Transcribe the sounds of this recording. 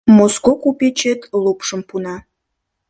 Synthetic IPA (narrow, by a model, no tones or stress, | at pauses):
moskokupʲet͡ɕet̪lupʃəmpunɑ